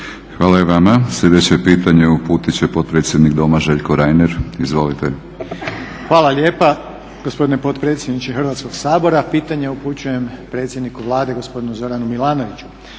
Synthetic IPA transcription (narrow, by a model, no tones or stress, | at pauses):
xʋaːlajeʋamasʎʲe̞d̪e̞t͡ɕepiːt̪aɲeupuːt̪it͡ɕe̞po̞t̪̚pɾe̞t̪sʲje̞d̪nikd̪o̞maʒe̞ʎkoɾajneɾizʋo̞lit̪e | xʋaːlˠalje̞ːpa | ɡ̥ospo̞d̪inepo̞t̪pɾe̞t̪sjed̪nit͡ʃexr̩ʋat̪sko̞ɡsaːbo̞ɾapiːt̪aɲe̞uput͡ɕuje̞mpɾet̪sʲje̞d̪nikuʋlˠaːd̪e̞ɡo̞spo̞d̪inuzo̞ɾanumilˠaːno̞ʋit͡ɕu̥